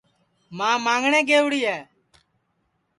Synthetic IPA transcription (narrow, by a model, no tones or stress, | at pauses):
mãːmãːŋɡɳeːɡeːʋɽiːɛː